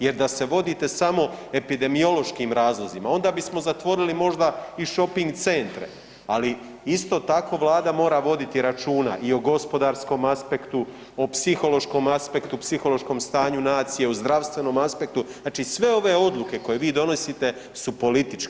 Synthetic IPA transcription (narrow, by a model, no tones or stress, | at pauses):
je̞ɾd̪ase̞ʋo̞d̪iːt̪e̞samo̞e̞pid̪e̞mio̞lo̞ʃkiːmɾaːzlˠo̞zimao̞nd̪aːbismo̞zat̪ʋo̞ɾilimo̞ʒd̪aiʃo̞piŋɡt̪se̞nt̪ɾḛ | ali | ist̪o̞ːt̪ako̞ːʋlˠaːd̪amo̞ːɾaʋo̞d̪it̪iɾat͡ʃuːna̰ʔioɡo̞spo̞d̪aːɾsko̞maspe̞kt̪u | opsixo̞lo̞ʃko̞maspe̞kt̪upsixo̞lo̞ʃko̞ːmst̪aːɲunaːt̪sije̞uzd̪ɾaʋst̪ʋe̞no̞ːmaspe̞k̚t̪unaːt͡ʃiːsʋe̞o̞ʋe̞o̞d̪lˠuke̞ko̞je̞ʋiːd̪o̞no̞sit̪e̞ | supo̞lit̪it͡ʃke